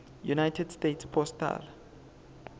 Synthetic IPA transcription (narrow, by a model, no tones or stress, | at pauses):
junajtʰɛd̥stetspʰɔstʼa̰ːla